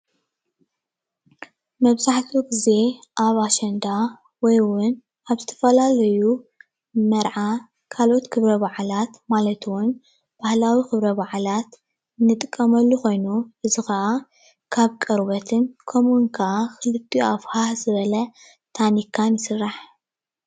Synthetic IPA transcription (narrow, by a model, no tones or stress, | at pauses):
mɐβzaħt̪ʰuɡize̞ʔaβaʃɐnd̪a | wɔjwʊn | aβzɨt̪ʰɐ̥fɐlalɐju | mɐɾʕa | kʰalʔo̞t̪kʰɨβɾɐβaʕlat̪malɐt̪ʰwʊn | b̥ahlawixɨβɾɐβaʕlat̪ | ɨnːɨt̪ʼɨkʼːɐmɐlːuko̞jnuʔɨzɨxɐʔa | kʰaβkʼɐɾβɐt̪ʰɨnkʰomuŋkʰɐʔaxɨlɨt̪ʰʼːiafhazɨβɐlɐ | t̪ʰanikʰanjɪsɨrːaħ